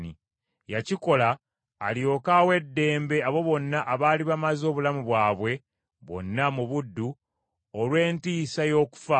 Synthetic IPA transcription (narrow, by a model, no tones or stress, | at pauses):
ni | jaciko̞laː | ljo̞kawe̞dːe̞ːmbe̞aβo̞βo̞nːaʔaβaːliβamazo̞ːβulamuβwaːβwe̞ | βo̞̰nːamuβudːu | olwe̞ːntiːsajo̞ːku̥fa